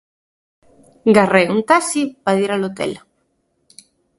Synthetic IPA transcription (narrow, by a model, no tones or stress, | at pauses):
ɡareuŋt̪asipaðiɾalot̪ḛl